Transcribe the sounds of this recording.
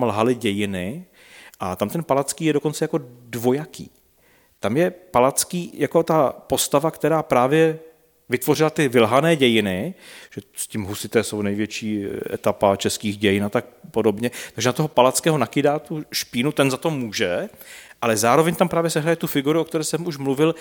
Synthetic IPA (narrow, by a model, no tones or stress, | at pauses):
mlɦalɪɟɛjɪnɪ | ʔat̪amt̪ɛnpalat͡skiːjɛdoko̞nt͡sɛjako̞dvo̞jakḭː | t̪amjɛpalat͡skiːjako̞t̪apo̞st̪avakt̪ɛɾaːpɾaːvjɛ | vɪt̪vo̞r̝ɪlat̪ɪvɪlɦanɛːɟɛjɪnɪʒ̥ɛscɪmɦusɪt̪ɛːso̞wnɛjvjɛt͡ʃiːʔɛ̰t̪apat͡ʃɛskiːxɟɛjɪnat̪ak̚po̞do̞bɲɛt̪aɡʒɛnat̪oɦo̞palat͡skɛːɦo̞nakɪdaːt̪uʃpiːnut̪ɛnzat̪o̞muːʒɛʔalɛzaːɾo̞vɛɲt̪ampɾaːvjɛsɛɦɾajɛt̪ufɪɡuɾuʔokt̪ɛɾɛːsɛmuʃmluvɪl